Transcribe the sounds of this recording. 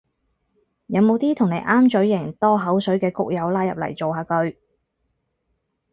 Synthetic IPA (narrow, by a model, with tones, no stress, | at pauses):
jɐ˨˧wmo˨˧wt̪iː˥t̪ʰʊ˨˩ŋne˨˧jʔaː˥mt͡ʃɵ˨˥ɥjɪ˨˩ŋt̪ɔː˥ɦɐ˨˥wsɵ˨˥ɥkɛː˧kʊ˥k̚jɐ˨˧wlaː˥jɐ˨p̚lɐ̰˨˩jt͡so˨wɦaː˨˧kɵ˧ɥ